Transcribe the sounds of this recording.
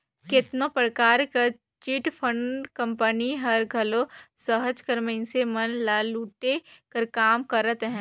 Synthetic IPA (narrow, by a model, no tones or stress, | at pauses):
kɪt̪nõpɾəkaːɾkɐ | t͡ʃɪʈpʰə̃ɳkɐ̃mpəniɦɐɾɡʱɐlosəɦəd͡ʒkɐɾmẽnsemɐnlaːluːʈekɐɾkaːmkəɾət̪ɦɛ̃ː